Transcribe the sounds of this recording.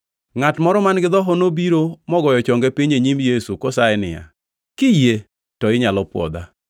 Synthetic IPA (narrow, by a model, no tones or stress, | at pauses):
ŋatmɔɾɔmanɡɪd̪ɔɦɔnobiɾomɔɡɔjɔt͡ʃɔŋɡepiɲeɲimjesukɔsaɛnɪ̰ja̰ | kɪje | tɔɪɲalɔpwɔ̰d̪a̰